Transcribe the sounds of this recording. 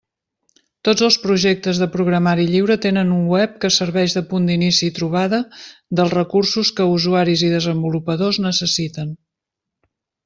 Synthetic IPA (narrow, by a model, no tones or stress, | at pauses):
t̪od͡zəlˠspɾuʒek̚t̪əzðəpɾuɣɾəmaɾiʎiwɾət̪enənuŋwɛp̚kəsəɾβɛʒðəpund̪inisiːt̪ɾuβ̞aðəd̪əlˠrəkursuskəuzuaɾiziðəzəmbulupəðoznəsəsit̪ən